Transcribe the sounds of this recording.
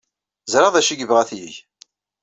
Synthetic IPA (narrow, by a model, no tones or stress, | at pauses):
zɾɑðˤæʃiɡəvʁæθjiʝ